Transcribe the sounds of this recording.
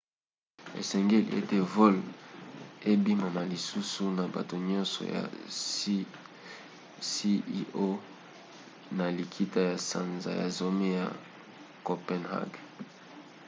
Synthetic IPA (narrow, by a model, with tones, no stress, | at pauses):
ḛ˨sɛ˨ŋɡe˦l̰ḛ˦te˦vɔ˦l | e˦bi˦ma˨na˨li˨su˦su˦na˨ba̰˨to˨ɲɔ̃˦nsɔ̰˨ja̰˨ | si˦ʔo˦ | na˨li˨kʰi˦ta˦ja˨sa˨nza̰˨ja̰˨zo˦me˦ja˨ | ko˨pɛ˦nha̰˦ɡ